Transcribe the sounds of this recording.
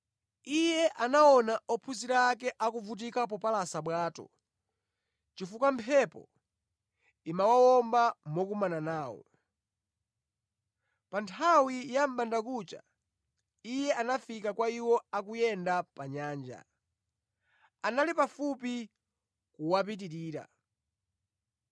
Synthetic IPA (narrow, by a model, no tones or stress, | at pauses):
ijɛʔanaɔnaɔpʰuziɾaːkɛʔakuvut̬ikap̬ɔpalasaɓwaːtɔ̰ | t͡ʃifukampʰɛpɔ̰ | imawawɔmbamɔkumananaːwɔ̰ | pantʰawijam̩bandakut͡ʃa̰ | ijɛʔanafikakwaiwɔakujɛndapaɲaːnd͡ʒa̰ | analipafupi | kuwap̬it̬iɾiːɾa̰